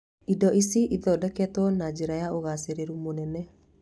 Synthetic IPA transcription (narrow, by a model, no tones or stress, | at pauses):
idɔʔisiʔiðɔdɛkɛtwɔnad͡ʒeɾajaoɣaseɾeɾumonɛnɛ